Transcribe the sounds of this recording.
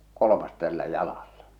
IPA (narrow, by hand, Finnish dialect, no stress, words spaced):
kolomɑs tælːæ jɑlɑlːɑ